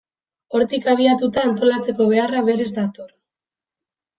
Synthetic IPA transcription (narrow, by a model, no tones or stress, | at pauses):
o̞ɾt̪ikaβ̞iat̪ut̪aːnt̪o̞lat͡se̞ko̞β̞e̞araβe̞ɾe̞zd̪at̪o̞r